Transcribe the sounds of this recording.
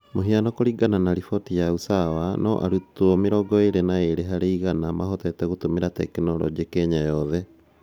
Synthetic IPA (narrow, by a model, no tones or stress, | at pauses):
moɦianɔkoɾiɡananaɾifɔtijausawanɔʔa̰ɾutuɔmeɾɔɡɔeɾenaeɾeɦaɾeiɣanamaɦɔtɛtɛɣotomeɾatɛ̰kinɔɾɔ̰ɡiekɛɲajɔðɛ